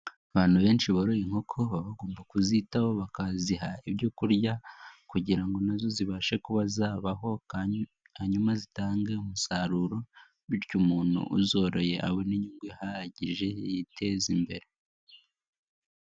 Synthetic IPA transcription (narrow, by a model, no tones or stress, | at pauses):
aβaːn̥huβe̞ːnʃiβaɾojiŋ̥ho̞kʰo̞βaβaɡo̞ːmbakuzitaho̞βakaziɦaiβjokuɾɟakuɟiɾaŋɡo̞nazo̞ziβaːʃe̞kuβazaːβaɦo̞k | haɲumazitaːŋɡe̞umusaɾuɾo̞ | βiɾcumuːn̥ṵʔṵzo̞ɾo̞je̞ʔa̰weniɲuːŋɡwehaɾaɟiʒe̞jitʰe̞zimbe̞ɾe̞